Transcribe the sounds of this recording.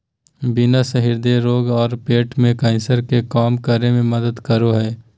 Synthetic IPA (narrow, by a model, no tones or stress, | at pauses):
bɪnasəɦɪɾd̪eːɾoːɡɔːɾpeːʈmẽkɛ̃nsəɾkekaːmkəɾemẽmɐd̪əd̪kəɾoɦɛː